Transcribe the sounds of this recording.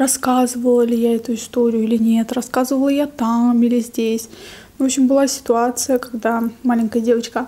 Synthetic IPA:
ɾɐskazɨvəlˠəlʲɪjaɛt̪ʊɪst̪o̞ɾʲɪjʊilʲɪnʲe̞t̪rɐskazəɨvəlˠəjat̪amilʲɪzʲdʲesʲ | nvopɕɪmbɨlˠasʲɪ̥t̪ʊat̪sɨjəkaɡd̪amalʲɪnʲkəjədʲe̞vət͡ɕkə

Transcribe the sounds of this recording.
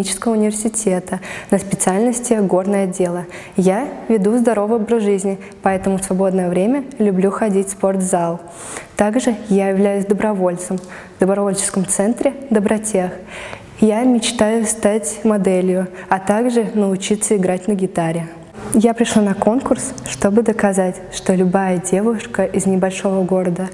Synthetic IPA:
it͡ɕɪ̥skəvəʊnʲɪvʲɪrsʲɪtʲe̞t̪ənəspʲɪt̪sɨalʲnəsʲtʲɪɡo̞rnəjəɐdʲːelˠə | javʲɪd̪uzd̪ɐɾo̞vəjobɾəʐɨzʲnʲɪ | pɐɛt̪əmʊsvɐbo̞d̪nəjəvɾʲemʲəlʲʊblʲuxɐdʲitʲspo̞rt̪zalˠ | t̪aɡʐɨjajɪvlʲæjʊs̬ʲd̪əbɾɐvo̞lʲt̪səm | vd̪əbɾɐvolʲt͡ɕɪ̥skəmt̪sɛnt̪ɾʲɪd̪əbɾɐtʲex | jamʲɪt͡ɕt̪ajʊst̪atʲmɐd̪ɛlʲjʊɐt̪aɡʐɨnəʊt͡ɕit̪sːəɪɡɾatʲnəɡʲɪt̪aɾʲɪ | japɾʲɪʂlˠanɐko̞nkʊrsʂt̪o̞bɨd̪əkɐzatʲʂt̪o̞lʲʊbajədʲe̞vʊʂkəʔɪznʲɪbɐlʲʂo̞vəɡo̞ɾəd̪ə

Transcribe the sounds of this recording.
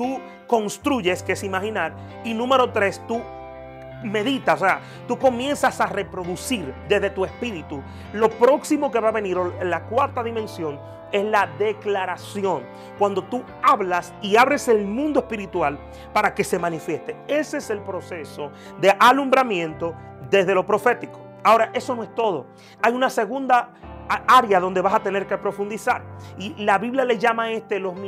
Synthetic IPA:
t̪u | ko̞nst̪ɾuʝe̞skesimahinaɾ | inũme̞ɾo̞t̪ɾe̞st̪u | me̞ðit̪aosea | t̪uko̞mje̞nsasare̞pɾo̞ðusiɾd̪ezðe̞t̪ue̞spiɾit̪u | lo̞pɾo̞ksimo̞ke̞βaβe̞niɾolakwaɾt̪aðimẽ̞nsjo̞ŋ | e̞slaðe̞klaɾasjo̞ŋ | kwand̪o̞t̪u | aβlas | iaβɾe̞se̞lmũnd̪oe̞spiɾit̪wal | paɾake̞se̞mãnifje̞st̪e̞eseese̞lpɾo̞se̞so̞ | ðe̞ʔalumbɾamjẽ̞nt̪o̞ | ðe̞zðe̞lo̞pɾo̞fe̞t̪iko | ao̞ɾaʔe̞sonoe̞st̪o̞ðo̞ | ajunase̞ɣund̪a | aɾjaðo̞nd̪e̞βasat̪e̞ne̞ɾke̞pɾo̞fund̪isaɾilaβiβljale̞ʝamae̞st̪elo̞sm

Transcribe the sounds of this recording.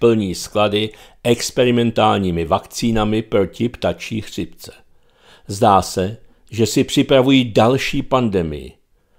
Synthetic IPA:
pl̩ɲiːskladɪʔɛkspɛɾɪmɛnt̪aːlɲiːmɪvakt͡siːnamɪpɾo̞cɪpt̪at͡ʃiːxr̝̥ɪpt͡sɛ̥ | zdaːsɛ | ʒɛsɪpr̝̥ɪpɾavujiːdalʃiːpandɛmɪ̰jɪ̰

